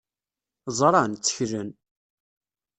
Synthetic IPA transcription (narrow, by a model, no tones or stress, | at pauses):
zˤɾˤɑnt͡sːə̥çɾən